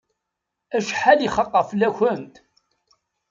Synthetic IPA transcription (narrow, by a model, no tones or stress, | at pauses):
æʃħaliχɑqːɑflæçənt̪